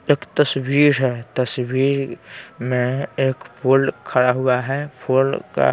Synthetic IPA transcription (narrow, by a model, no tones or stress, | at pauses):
eːkt̪əswiːɾɦɛːt̪əswiːɾmẽeːkpʰoːlkʰɐɽaɦʊaɦɛpʰoːlka̰